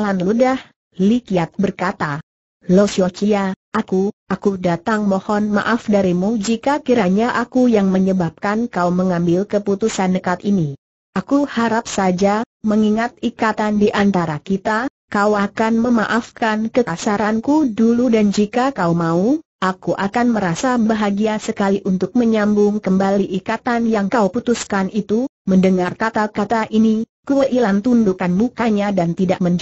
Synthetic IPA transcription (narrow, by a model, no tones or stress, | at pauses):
lanludah | likiat̪̚bərkat̪a | lɔsɔt͡ʃijaʔakuakudat̪aŋmɔhɔnma̰ʔafdaɾimud͡ʒikakiɾaɲaʔakujaŋməɲəbap̚kankauməŋambɪlkəput̪usanːəkat̪ini | ʔakuhaɾap̚sad͡ʒaməŋiŋat̪̚ikat̪andiʔant̪aɾakit̪a | kawakanməmaʔafkankəkasaɾankuduludand͡ʒikakaumauʔakuʔakanməɾasabbaɦaɡiasəkaliʔunt̪ʊk̚məɲambʊŋkəmbaliʔikat̪anjaŋkauput̪uskanit̪u | məndəŋarkat̪akat̪aʔinikuəʔilant̪undukanbukaɲadant̪idaʔ̚məɲd͡ʒ